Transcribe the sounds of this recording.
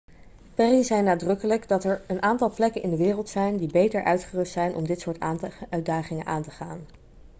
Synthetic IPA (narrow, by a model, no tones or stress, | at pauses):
pɛrizɛjnaːdrɵkələɡdɑtɛɹənʔaːntɑlˠplɛkənʔɪndəʋɪːrəlˠtsɛjndibejtəɹʔœɥtχərɵstsɛjnʔɔ̰mdɪtsʊːɹtaœɥdaːχɪŋənʔaːntəχaːn